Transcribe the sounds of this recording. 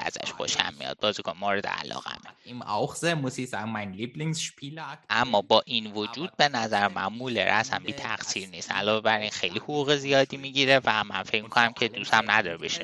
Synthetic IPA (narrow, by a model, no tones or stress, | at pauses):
æ̰z̥æ̰ʃxo̰ʃæ̰mmḭjɒ̰ːd̪̚bɒːzikʰonmoɾed̪ḛæ̰lɒ̰ːɣæ̰meimaʊxz̥emʊsiz̥aːɡŋ̩maɪnliːbliŋsʃpʰiːlkʔæmːɒːbɒːʔinvod͡ʒuːd̪̥̚be̞næzæɾemænmulḛɾæsæ̰mbiːt̪ʰæɡsiːɾniːst̪æ̰lɒːve̞bæɾinxejlihuɣuːɣezijɒːd̪iːmiɟiɾevæmænfe̞cʰmikʰonæmcʰed̪usæmnæd̪ɒɾebeʃe